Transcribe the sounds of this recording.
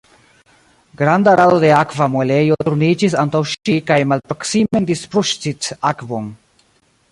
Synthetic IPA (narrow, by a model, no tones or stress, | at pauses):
ɡɾand̪aɾad̪od̪eakvamolejot̪ɾunid͡ʒis̬ant̪awʃikajmalpɾoksimend̪ispɾuʃt͡sit̪akbon